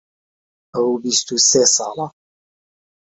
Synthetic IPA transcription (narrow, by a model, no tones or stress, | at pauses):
ʔəwbist̪useːsɑ̰ːlɑ